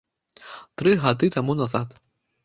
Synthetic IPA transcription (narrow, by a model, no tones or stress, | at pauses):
t̪ɾɨɣad̪ɨt̪amunazat̪